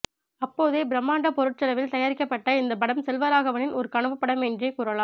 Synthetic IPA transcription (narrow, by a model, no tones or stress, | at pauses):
ɐpːoːðeːbɪɾɐmːaːɳɖɐpɔɾɯʈt͡ʃɐlɐʋɪlt̪ɐjaːɾɪkːɐpːɐʈːɐɪnd̪ɐbɐɽɐmsɛlʋɐɾaːɣɐʋɐnɪnɔɾɯkɐɳɐʋɯpːɐɽɐmɛndreːkuːɾɐlaːm